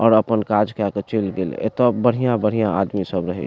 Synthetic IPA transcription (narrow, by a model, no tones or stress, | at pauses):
ɔːɾəpənkad͡ʒkɛket͡ʃelɡelḛt̪ɔbəɽ̤ijãbəɽ̤ijãad̪misəbɾəɦɛ̰t͡ʃ